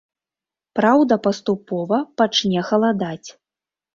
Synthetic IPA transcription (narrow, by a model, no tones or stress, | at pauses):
pɾawd̪ɐpɐst̪upɔvɐpat͡ʂnʲɛxɐlˠad̪at͡sʲ